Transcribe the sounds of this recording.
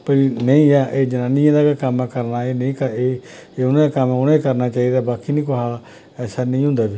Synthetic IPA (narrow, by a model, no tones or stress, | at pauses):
pəɾinəĩːaːʔeːd͡ʒənaːnɪjãːd̪aːkakəmɛ̃kəɾnaːeːnə̃ĩːkəeːeːʊnãːakəmɛʊnãːikəɾnaːt͡ʃaːiːd̪aːbaːkiːnĩːk̬oɦaː | ɛːsaːnĩːɦʊ̃ːnd̪aːbiː